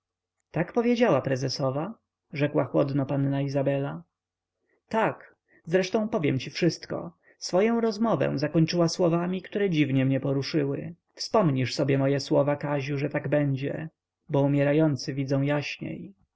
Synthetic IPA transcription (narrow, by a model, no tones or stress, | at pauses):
t̪akpɔvʲjed͡ʑawapɾɛzɛsɔva | ʐɛkwaxwɔd̪nɔpanːaizabɛla | t̪ak | zɾɛʂt̪ɔ̃w̃pɔvʲjɛmt͡ɕifʂɘst̪kɔ̰ | sfɔjɔ̃w̃ɾɔzmɔvɛ̰̃zakɔɲt͡ʂɘwaswɔvamʲikt̪uɾɛd͡ʑivɲɛmɲɛpɔɾuʂɘwɘ̰ | fspɔmɲiʂsɔbʲjɛmɔjɛswɔvakaʑuʐɛt̪aɡbɛɲd͡ʑɛ̰ | bɔumʲjɛɾajɔnt̪sɘvʲid̪zɔ̃w̃jaɕɲḛj